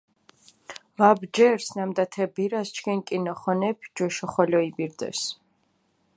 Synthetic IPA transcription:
vabd͡ʒɛɾsnamd̪at̪ʰɛbiɾast͡ʃʰkʰinkʼinɔχɔnɛpʰd͡ʒɔʃɔχɔlɔibiɾd̪ɛ̰s

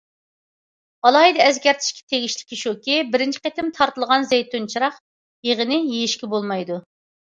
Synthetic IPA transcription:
ɑlˠɑid̪ɛɛzɡʲɛɾt̪ʰɪ̥ʃkʲɛ̥t̪ʰeɡʲiʃlɪ̥kʲːiʃokʲibɪɾɪnt͡ʃʰi̥qet̪ɪmt̪ʰɑɾt̪ɨlˠəʁɑnzejt̪ʰunt͡ʃʰiɾɑq | jeʁənɪjijiʃkʲɛbolˠmɑjd̪u

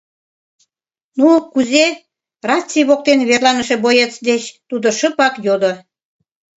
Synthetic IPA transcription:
nukuze | rɑt͡sʲːiβok̚t̪enβerlɑnəʃe̽bojet͡sd̪et͡ɕt̪ud̪oʃəpɑkjod̪o

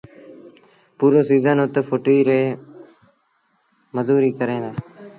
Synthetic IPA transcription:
puːɾõːsiːzənʊt̪fʰoːʈiːɾeː | məzuːɾiːkəɾẽːd̪aː

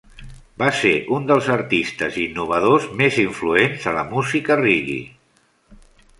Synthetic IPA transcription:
baseʔund̪əlˠzəɾt̪ist̪əzinːuβəð̞ozmeziɱfluenzələmuzikəriɣḭ

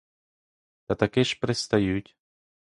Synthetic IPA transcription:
t̪ɐt̪ɐkɛʃpɾɛst̪ɐjutʲ

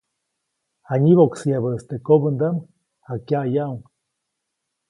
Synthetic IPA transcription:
aɲiβoksiaβəest̪ekoβənd̪am | akjajawŋ

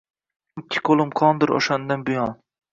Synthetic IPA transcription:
kʲʰːɪ̥kʰolˠɪmqʰɒnd̪ɪɾo̰ʃand̪anbʊjɒn

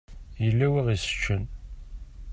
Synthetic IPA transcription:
jəlːæwiʁisə̥t͡ʃːən

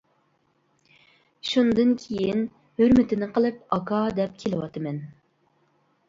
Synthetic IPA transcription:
ʃund̪ɨnkʲʰeijin | høɾmɪt̪ɪnɪqəlˠɨpɑkʰɑd̪ɛp̚kʲʰelɪwɑt̪ɨmɛn

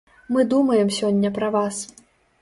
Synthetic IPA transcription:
mɨd̪umɐjɛmsʲɔnʲːɐpɾɐvas

